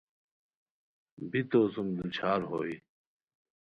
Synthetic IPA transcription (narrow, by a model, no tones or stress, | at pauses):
bʱit̪oːsumd̪ut͡ɕʰaːɾɦo̰ːiː